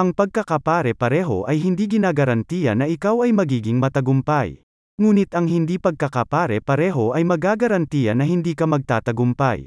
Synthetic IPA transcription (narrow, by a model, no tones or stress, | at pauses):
ʔɐŋpɐɡ̚kɐkɐpaːɾɛpɐɾɛːɦo̞̰ʔɐjɦɪnd̪iːɡɪnaːɡɐɾɐnt̪iːjɐ̰nːɐʔɪkawɐjmɐɡiːɡɪŋmɐt̪ɐɡʊmpaj | ŋuːnɪt̪ɐŋɦɪnd̪iːpɐɡ̚kɐkɐpaːɾɛpɐɾɛːɦo̞ʔɐjmɐɡaːɡɐɾɐnt̪iːjɐnːɐhɪnd̪iːkɐmɐɡ̚t̪aːt̪ɐɡʊmpa̰j